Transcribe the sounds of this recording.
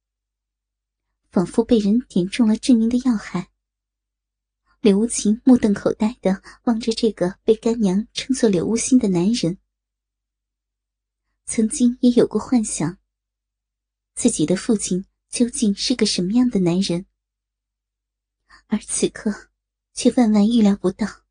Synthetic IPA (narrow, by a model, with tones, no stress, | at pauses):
fɑ˨˩ŋfu˥˧pe˥˩ɪɻə˧˥nt̪jɛ˨˩nʈ͡ʂʊ˥˩ŋlə˩ʈ͡ʂɻ̩˥˩mi˧˥ŋd̪ə˧jɑ˥˧ʊxa˥˩ɪ | ljo˧˥ʊu˥˩t͡ɕʰi˧˥nmu˥˧t̪ɤ˥˩ŋkʰo˨˩ʊt̪a˥˩ɪd̪̥ə˩wɑ˥˩ŋʈ͡ʂə˨˩ʈ͡ʂɤ˥˩ɡə˩pe˥˩ɪka˥nnjɑ˧˥ŋʈ͡ʂʰɤ˥ŋt͡swɔ˥˩ljo˨˩u˥˩ɕi˥nd̪ə˨na˧˥nɻə˧˥n | t͡sʰɤ˧˥ŋt͡ɕi˥ŋjɛ˧˥jo˨˩ʊkə˥˧xwa˥˩nɕjɑ˨˩˦ŋ | t͡sɹ̩˥˩t͡ɕi˨˩d̪ə˦fu˥˧t͡ɕʰi˥˩n | t͡ɕjo˥ʊt͡ɕi˥˧nʂɻ̩˥˩ɡə˩ʂə˧˥mə˧jɑ˥˩ŋd̪ə˩na˧˥nɻə˧˥n | ə˞˧˥t͡sʰɹ̩˨˩kʰɤ˥˧ | t͡ɕʰɥɛ˥˧fa˥˧nwa˥˧ny˥˩ljɑ˧˥ʊpu˧˥t̪ɑ˥˩ʊ